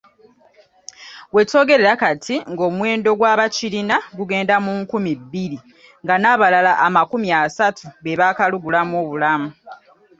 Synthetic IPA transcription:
we̞to̞ːɡe̞ɾe̞ɾakatʰiŋɡo̞ːmwe̞ːndo̞ɡwaːβacilinaɡuɡe̞ːndamuŋkumibːiɾi | ŋɡanaːβalalaʔːmakumijasatʰuβeβakaluɡulamoːβulamu

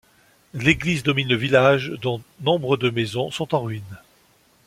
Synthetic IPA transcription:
leɡlizd̪ɔminləvilaʒd̪ɔ̃nɔ̃bʁəd̪əmezɔ̃sɔ̃t̪ɑ̃ʁɥin

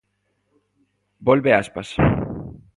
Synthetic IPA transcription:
bolbeaspas

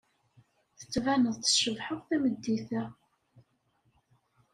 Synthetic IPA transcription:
θə̥t͡sːvænəðˤθʃəvħəʁθæməd̪ːiθæ

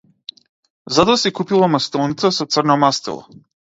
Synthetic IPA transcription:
zat̪ɔasikupilˠamast̪ɔnit̪sasɔt̪srnɔmast̪ɛ̰lˠɔ̰

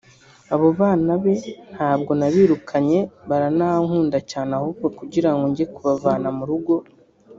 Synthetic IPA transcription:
aβo̞βaːnaβe̞n̥haːbɡo̞naβiːɾukʰaɲe̞βaɾanaaŋhuːndacaːnahubɡokuɟiɾaŋɡoɲɟiekuβavaːnamuɾuɡo̞

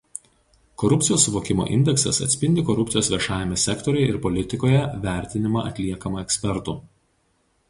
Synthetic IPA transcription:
kɔɾʊpʲt̪sʲɪjoːsːʊʋoːkʲɪmo̰ːʔɪ̰nʲd̪ʲɛksɐ̰sɐ̰t̪sʲpʲɪnʲd̪ʲɪkɔɾʊp̪ʲsɪjoːsʋʲiɛʃɑːjʲɛmʲesʲɛkt̪ɔɾʲɛjɪɾpɔlʲɪt̪ʲɪkoːjɛʋʲæˑɾʲt̪ʲɪnʲɪmɑːɐ̰t̪ʲlʲiɛkɐmɐɛksʲpʲɛɾt̪uː

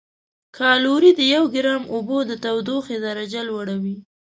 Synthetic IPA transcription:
kʰɑluɾid̪əjawɡɪɾɑmobod̪ət̪awd̪oxezaɾad͡ʒalwaɽawi

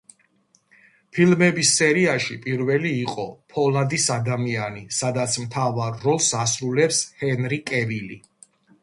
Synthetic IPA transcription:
pʰilmɛbisːɛɾiaʃipʼiɾvɛliːqʼɔ̰pʰɔlad̪isad̪amianisad̪at̪sʰmt̪ʰavaɾːɔlˠsasɾulɛpshɛnɾikʼɛvili

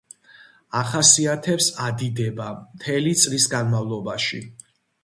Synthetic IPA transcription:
aχasiat̪ʰɛpsad̪id̪ɛbamt̪ʰɛlit̪sʼlisɡanmavlˠɔbaʃḭ

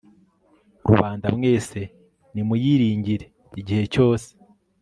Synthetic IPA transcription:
ɾṵβaːndamŋe̞ːse̞ | nimujiːɾiːɲɟiɾe̞ | iɟihe̞co̞ːse̥

